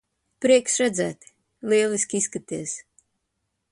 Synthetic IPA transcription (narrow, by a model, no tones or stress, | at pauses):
pɾiɛksɾæd̪zæːt̪i̥ | liɛlˠiskʲiiskat̪iɛs